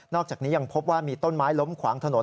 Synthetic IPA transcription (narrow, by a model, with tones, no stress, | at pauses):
nɔː˥˩k̚t͡ɕaː˨˩k̚niː˦˥ja˧ŋpʰo˦˥p̚waː˥˩miː˧t̪o˥˩nmaː˦˥jlo˦˥mkʰwa̰ː˩˦ŋt̪ʰa˧no˩˦